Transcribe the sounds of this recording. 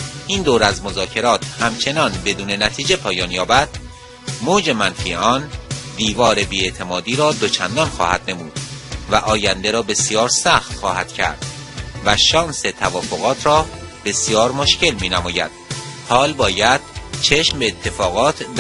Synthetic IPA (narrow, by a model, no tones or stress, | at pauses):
ʔiːnd̪oːɾæzmozɒːcʰe̞ɾɒːt̪ʰhæmt͡ʃʰe̞nɒːnbe̞d̪uːne̞næt̪ʰiːd͡ʒe̞pʰɒːjɒːnjɒːbæd̪̥̚ | moːd͡ʒe̞mænfiːeɒːnd̪iːvɒːɾebiːet̪ʰe̞mɒːd̪iːɾɒːd̪o̞t͡ʃʰænd̪ɒːnxɒ̰ːhæ̰d̪ne̞muːd̪̥væʔɒːjænd̪eɾɒːbe̞sijɒːɾsæxt̪xɒːhæd̪̥cʰæ̰ɾd̪̥væʃɒːnse̞t̪ʰævɒːfo̞ɣɒːt̪ʰɾɒːb̥e̞sijɒːɾmoʃce̞lmiːnæmɒːjæ̰d̪̥̚hɒːlbɒːjæd̪̥̚t͡ʃʰe̞ʃmbeːt̪ʰːe̞fɒːɣɒːt̪ʰb